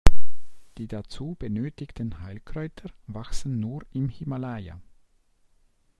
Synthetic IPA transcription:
d̥iːdat͡suːb̥ənøːtɪçtənhaɪlkʁ̥ɔʏtʰəvaksn̩ːuːɪmhɪmalaja̰

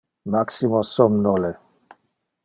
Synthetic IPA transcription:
maksimɔsɔmnɔlɛ

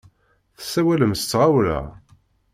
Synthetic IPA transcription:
θəsːæwæləmst͡sːʁawlæ̰

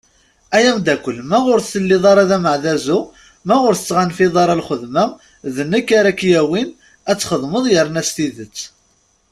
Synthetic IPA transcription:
æjæmd̪ækʷːəlmæʁʊɾθθəlːiðˤɑɾˤɑðæməʕðæzu | mæʁʊɾθə̥t͡sːʁanfiðˤɑɾˤɑlχəðmæ | ðənːəkːaɾækːjæwin | æt͡sːχəðˤməðˤjəɾnæst̪iðət͡sː

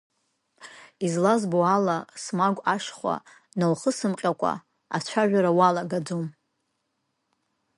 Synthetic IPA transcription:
izlazboalasmaɡʷʼaʂχʷa̰ | nalχəsɨmqʲʼakʷʼa̰ | a̰t͡ɕʷʰaʒᶣaɾawalaɡad͡zom

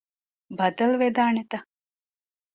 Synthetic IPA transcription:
bɐd̪əlʋed̪aːɳet̪ɐ

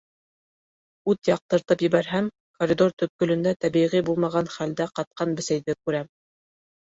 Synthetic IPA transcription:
ʉt̪jɑq̚t̪ɤ̆ɾt̪ɤpjɘ̆βæɾɦæm | koɾʲid̪o̞ɾt̪ɵ̆p̚kɵ̆lɵ̆nd̪æt̪æβiʁibulˠmɑʁɑnχæld̪æqɑt̪̚qɑnbɘ̆sæjðɘkʉɾæm

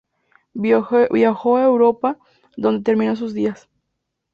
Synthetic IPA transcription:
βjaxoaewɾopa | ðond̪et̪eɾmĩnos̬uzðias

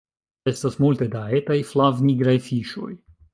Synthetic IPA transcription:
ɛst̪ɐsmolʲt̪ed̪aɛt̪ajflˠavnʲiɡɾafʲiʃo̰j

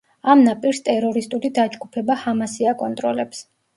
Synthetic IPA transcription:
amnapʼiɾst̪ʼɛɾɔɾist̪ʼulid̪ad͡ʒɡupʰɛbahamasiakʼɔnt̪ʼɾɔlɛps

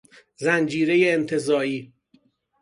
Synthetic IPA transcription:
zænd͡ʒiːɾe̞jeːnt̪ʰe̞zɒːiː

